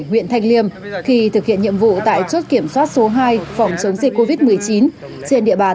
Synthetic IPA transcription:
ŋwḭ˧˨ənt̪ʰa˧jŋ̟li˧əmxi˧t̪ʰɨ˨˩k̚hḭ˧˨ənɲḭ˧˨əmvṵ˧˨t̪a̰ː˧˨jt͡ɕo˦˥t̚ki˧˩əmswaː˦˥t̚so˨˦ɦaː˧jfa˨˩wŋ͡mt͡ɕə˨˦wŋ͡mzi˨˩k̚ko˧vi˦˥t̚m˨˩əjt͡ɕi˨˦n | t͡ɕe˧nɗḭ˧˨əɓaː˨˩

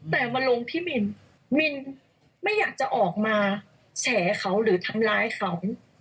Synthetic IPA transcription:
t̪ɛː˨˩ma˧nlo˧ŋt̪ʰiː˥˩mi˧n | mi˧n | ma˥˩jːaː˨˩k̚t͡ɕa˨˩ʔɔː˨˩k̚maː˧ | t͡ɕʰɛː˩˦kʰa˦˥wɾɯː˩˦t̪ʰa˧mlaː˧jxʰa˦w

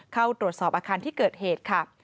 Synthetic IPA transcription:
kʰa˥˩wt̪ɾu˨˩ət̪̚sɔː˨˩p̚ʔaː˧kʰaː˧nt̪ʰiː˥˩kɤː˨˩t̪̚heː˨˩t̪̚kʰa˥˩

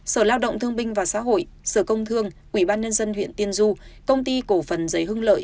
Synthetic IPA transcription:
səː˧˩laː˧wɗə̰˧˨wŋ͡mt̪ʰɨ˧əŋɓï˧ŋ̟vaː˨˩sa̰ː˧˥ɦo̰˧˨jsəː˧˩kə˧wŋ͡mt̪ʰɨ˧əŋʔwi˧˩ɓaː˧nɲə˧nzə˧nhwḭ˧˨ənt̪i˧ənzu˧kə˧wŋ͡mt̪i˧ko˧˩fə˨˩nzə˨˦jhɦɨ˧ŋlə̰ː˧˨jʔ

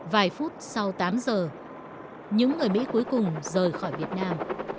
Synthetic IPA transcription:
vaː˨˩jfu˦˥t̚sa˧wt̪aː˨˦mzəː˨˩ | ɲɨ̰˧˥ŋːɨ˨˩əjmḭ˧˥ku˨˦əjkʊ˨˩ŋ͡mzəː˨˩jxɔː˧˩jvi˨˩ət̚naː˧m

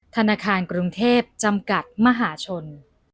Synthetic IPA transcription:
t̪ʰa˧naː˧kʰaː˧nkɾu˧ŋt̪ʰeː˥˩p̚t͡ɕa˧mka˨˩t̪̚ma˧ɦaː˩˦t͡ɕʰo˧n

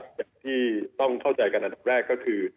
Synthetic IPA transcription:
jaː˨˩ŋt̪ʰiː˥˩t̪ɔ˥˩ŋkʰa˥˩wt͡ɕa˧jka˧nʔa˧nd̪a˨˩p̚ɾɛː˥˩kːɔː˥˩kʰɯː˧

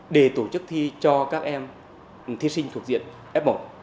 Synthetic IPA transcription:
ɗe˧˩t̪o˧˩t͡ɕɨ˦˥k̚t̪ʰi˧t͡ɕɔ˧kaː˦˥k̚ʔɛ˧m | t̪ʰi˧si˧ŋ̟t̪ʰu˨˩ək̚zḭ˧˨ən | ʔɛ˦˥p̚mo˨˧˩

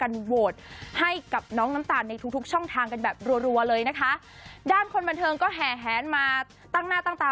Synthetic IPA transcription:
ka˧nwoː˨˩t̪̚ha˥˩jka˨˩p̚nɔː˦˥ŋna˦˥mt̪aː˨˩na˧jt̪ʰu˦k̚t̪ʰu˦˥k̚t͡ɕʰɔ˥˩ŋt̪ʰaː˧ŋka˧nbɛː˨˩p̚ɾu˧ənɾu˧ɐlɤː˧jna˦˥kʰa˦˥ | daː˥˩nkʰo˧nba˧nt̪ʰɤː˧ŋkɔː˥˩ɦɛː˨˩ɦɛː˩˦nmaː˧ | t̪a˥˩ŋnaː˥˩t̪aː˥˩ŋt̪aː˨˩

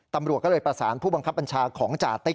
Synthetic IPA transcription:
t̪a˧mɾu˨˩ət̚kɔ˥˩lːjpɾa˧saː˩˦npʰuː˥˩ba˧ŋkʰa˦˥p̚ːa˧nt͡ɕʰaː˧kʰɔː˩˦ŋt͡ɕa̰ː˨˩t̪ːa˦˥˩

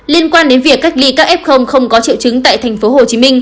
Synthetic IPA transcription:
li˧ənkwaː˧nɗe˨˦nvi˨˩əkːa˦˥jk̟̚li˧kaː˦˥k̚ʔɛ˦˥p̚xə˧wŋ͡mxə˧wŋ͡mkɔ˨˦t͡ɕḭ˧˨wt͡ɕɨ˨˦ŋt̪a̰ː˧˨jt̪ʰa˨˩jŋ̟fo˨˦ho˨˩t͡ɕi˨˦mï˧ŋ̟

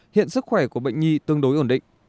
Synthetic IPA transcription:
hḭ˧˨ənsɨ˦˥k̚xwɛ˧˩ku˧˩əɓə̰˧˨jŋ̟ŋi˧t̪ɨ˧əŋɗo˨˦jʔo˧˩nɗḭ̈˧˨ŋ̟

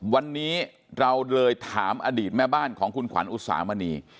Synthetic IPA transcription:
wa˧nːiː˦˥ | ɾa˧wlɤː˧jt̪ʰaː˩˦mʔaː˧diː˨˩t̪̚mɛː˥˩baː˥˩nkʰɔː˩˦ŋkʰu˧nkʰwa̰˩˦nʔu˧t̚sa̰ː˩˦maː˧niː˧

